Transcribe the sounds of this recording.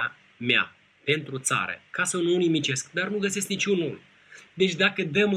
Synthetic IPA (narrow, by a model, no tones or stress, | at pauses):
a | mea̰ | pe̞nt̪ɾut̪sa̰ɾə̰kasənunimit͡ʃe̞skd̪arnuɡəsesknit͡ʃʲunul | d̪e̞t͡ʃʲd̪akəd̪əm